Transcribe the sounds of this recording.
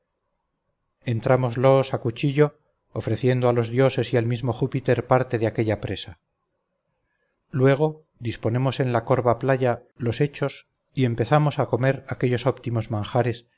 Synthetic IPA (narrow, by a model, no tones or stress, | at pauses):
e̞nt̪ɾamozlo̞sakut͡ʃiʎo̞ː | fɾe̞θje̞nd̪oalo̞zðjo̞se̞sialmizmo̞xupit̪e̞ɾpaɾt̪e̞ðeake̞ʎapɾe̞sa | lwe̞ɣ̞o̞ | d̪ispo̞ne̞mo̞se̞nlako̞ɾβaplaʝalo̞se̞t͡ʃo̞s | ie̞mpe̞θamo̞sako̞me̞ɾake̞ʎo̞so̞pt̪imo̞zmãŋxaɾe̞s